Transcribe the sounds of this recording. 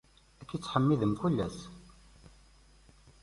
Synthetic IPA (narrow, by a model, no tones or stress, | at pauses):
ækːit͡sːħəmːiðəmkulːæs